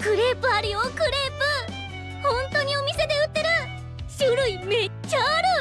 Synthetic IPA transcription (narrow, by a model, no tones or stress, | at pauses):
kɯɾepɯ̟aɾɯ̟jokɯɾe̞pɯ | hõ̞nt̪o̞ɲ̟io̞mʲise̞d̪e̞ɯ̟t̪ːe̞ɾɯ̟ | ɕɯɾɯ̟ime̞t͡ɕːaɾɯ